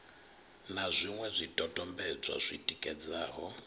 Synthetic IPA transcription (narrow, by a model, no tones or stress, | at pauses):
nazʷiŋwɛzʷitʼɔtʼɔmbɛd͡zʷwa̰zʷitʼikʼɛd͡zaːɦɔ